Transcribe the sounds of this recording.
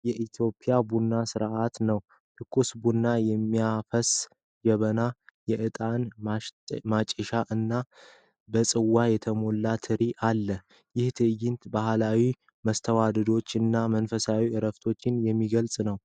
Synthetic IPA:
jɛʔit̪ʰjo̞pʼijabunːasɨɾʔat̪nəw | t̪ʰɨkʰːusbunːajɛmːiafəs | d͡ʒɛβənajɛʔɨt̪ʼanamat͡ʃʼːəʃaʔɨnːa | bəsʼɨwːajɛt̪ʰəmo̞lːat̪ʰɨɾiʔalːə | jɪht̪ʰɨjɪnt̪bahlawi | məst̪ʰəwad̪əd̪o̞t͡ʃːɨnːamənfəsawiʔɨɾəft̪ʰo̞t͡ʃːɪnjɛmːiɡəlsʼnəw

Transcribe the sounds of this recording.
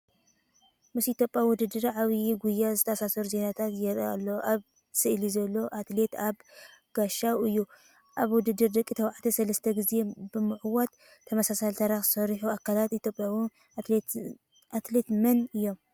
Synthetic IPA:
mɨsit̪ʰʲjopʼjawʊd̪ɨd̪ːɨɾʕaβiiɡujːazɨt̪ʰɐːsasɐɾuze̞nat̪ʰat̪jɛɾa̰lːoʔaβ | sɨʔlizɐlːo̞ʔat̪le̞t̪aβɡ̥aʃawɨjːu | ʔaβwʊd̪ɨd̪ːɨɾd̪ɐkʼːit̪ʰɐwʕt̪ʰisɐlɐst̪ʰɐɡɨze̞bɨmɨʕwot̪ʰː | ɐmɐsasalt̪ʰaɾaxsɐɾħuakʰːalat̪it̪ʰʲjo̞pʼjawn | ʔat̪let̪mɐnɨjːo̞m

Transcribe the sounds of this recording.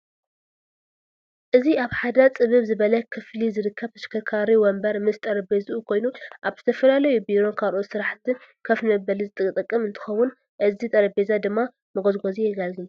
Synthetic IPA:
ʔɨziaβħad̪ɐt͡sʼɨβɨβzɨβɐlɐkʰɨflizɨɾɨkʰːɐβt̪ʰɐ̥ʃkʰɐkʰaɾiwɔmbɐɾmɨst̪ʼɐɾɐbezʔukʰo̞jnuʔaβz̥ɨt̪ʰɐfɐlalɐjubiɾo̞nkʰalʔot̪sɨɾaħt̪ʰɨnkʰɐfnɐbɐlizɨt̪ʼɨkʼt̪ʼɨkʼːɨmɨnt̪ʰɨ̥xɐwun | ʔɨzit̪ʼɐɾɐbezad̪ɨmːa | mɨɡozɡozijɛɡalɡɨl

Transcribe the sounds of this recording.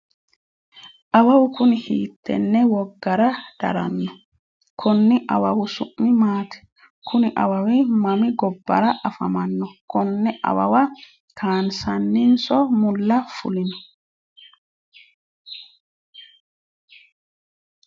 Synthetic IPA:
ʔɐwɐwʊkʊnɪhḭːt̪ːɛ̰nːɛwɔɡːɐɾɐd̪̥ɐ̰ɾɐ̰nːɔ | kʰɔnːɪʔɐwɐwʊsʊʔmːɪmaːt̪ɛ̥ | kʰʊnɪʔɐ̰wɐwɪmɐmɪɡɔbːɐ̰ɾɐʔɐfɐ̰mɐnːɔkɔnːɛʔɐ̰wɐ̰wɐ | kʰaːnsɐnːɪnsɔmʊlːɐfʊ̰lɪnɔ

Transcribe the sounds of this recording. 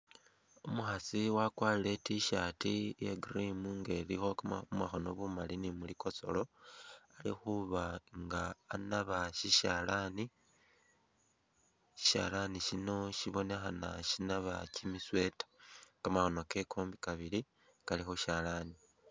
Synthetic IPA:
omuxasiwakwaːlile̞tiʃatijḛɡrimuŋɡe̞ːlixo̞kmaxo̞no̞̰βumalinimuliko̞so̞̰lo̞alḭxuβaŋɡaːnaβaʃiʃalani | ʃi̥ʃa̰laniʃino̞ʃiβo̞ne̞xana̰ʃinaβacimiswe̞tḁkamaxo̞no̞ke̞kʰoːmbikaβili | kalixoʃaːlani

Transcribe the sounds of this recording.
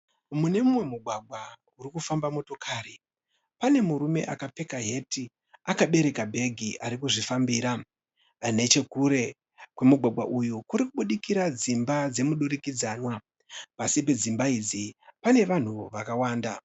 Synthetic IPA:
mune̞mumwe̞muɡʱwaɡʱwa | uɾikufambamo̞to̞kʰaːri | pane̞muɾume̞̰ʔakap͡fe̞kaɦe̞ti | akaɓe̞ɾe̞kabʱe̞ɡʱiʔaɾikuʐifambiːɾa | ne̞t͡ʃe̞kuɾe̞ | kwe̞muɡʱwaɡʱwaʔujukuɾikuɓuɗikiɾad͡zimbad͡ze̞muɗuɾikid͡zaːnwa | pasip̬e̞d͡zimbaid͡zipane̞ʋan̤uʋakawaːnda

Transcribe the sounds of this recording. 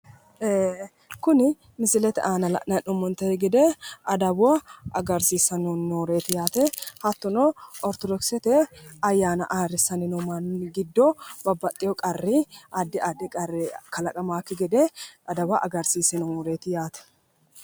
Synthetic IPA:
eː | kʊnɪ | mɪsɪlɛt̪ɛʔaːnɐlɐ̰ʔnɐnʊmːʊnt̪ɐɛɡɪd̪eɐd̪ɐboɐɡɐɾsiːsɐnunːuːɾeːt̪ɪjaːt̪ɛhɐt̪ːʊnoɔɾt̪ɔd̪ɔksɛt̪ɛɐjːaːnɐ̰ʔaːrɪsɐnɪnʊmanɡɪd̪ːobɐbːɐt̪ʼːɪjɔkʼɐrːiʔɐd̪ːɪʔɐd̪ɪkʼɐɪkɐlɐkʼɐmaːkːɪɡɛd̪ɛɐd̪ɐbaʔɐɡɐɾsiːsɛnʊuːɾeːt̪ɪjaːt̪ɛ̥

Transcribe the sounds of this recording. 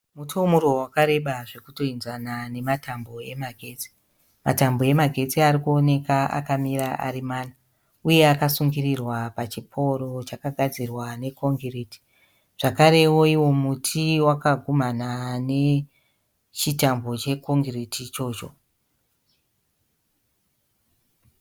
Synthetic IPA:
mutʰomuɾo̞wakaɾe̞ɓaʐe̞kuto̞inzanane̞matʰambo̞e̞maɡʱe̞ːt͡si̥ | ma̰tambo̞e̞maɡʱe̞t͡siaɾikuone̞kaa̰kamiɾaʔa̰ɾimaːna | uje̞akasuŋɡirirwapat͡ʃipʰo̞ɾo̞t͡ʃakaɡʱad͡zirwane̞kʰo̞ŋɡiriti̥ | ʐ̥akaɾe̞woiwo̞mutʰiwakaɡʱumanane̞ | t͡ʃitambo̞t͡ʃe̞ko̞ŋɡritʰit͡ʃo̞ːt͡ʃo̞

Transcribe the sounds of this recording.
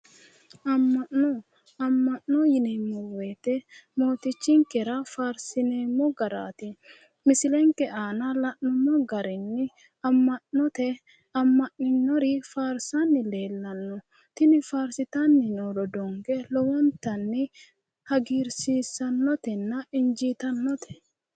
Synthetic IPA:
ʔɐmːɐnːɔ | ɐmːɐʔːɔjɪneːmːɔweːt̪ɛmoːt̪ɪt͡ʃːɪŋkɛɾɐfaːɾsɪneːmːɔɡɐɾa̰ːt̪ɪ | mɪsɪlɛŋkɛʔaːnɐlɐʔɔmːɔɡɐɾɪnːɪ | ɐmːɐnːɔt̪ɛ | ɐmːɐʔːɪnːɔɾɪfaːɾsɐnːɪleːlːɐnːɔ | t̪ɪnɪfaːɾsɪt̪ɐnːɪnoːɾɔd̪ɔŋɡɛlɔwɔnt̪ɐnːɪ | hɐɡiːɾsiːsːɐnːɔt̪ɛnːɐɪnd͡ʒiːt̪ɐnːɔt̪ɛ̥

